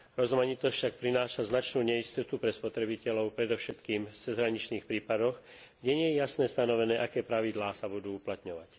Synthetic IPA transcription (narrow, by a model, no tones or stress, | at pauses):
ɾɔzmaɲit̪ɔsʲfʃak̚pɾinaːʃaznat͡ʃnuːɲɛist̪ɔt̪upɾɛspɔt̪ɾɛbicɛlɔʊpɾɛd̪ɔfʃɛt̪kiːmft͡sɛzɦɾaɲit͡ʃniːxpɾiːpad̪ɔxɡɟɛɲɪɛjɛjasnɛːst̪anɔʋɛnɛːʔakɛːpɾaʋid̪laːsabud̪uːuplat̪ɲɔʋac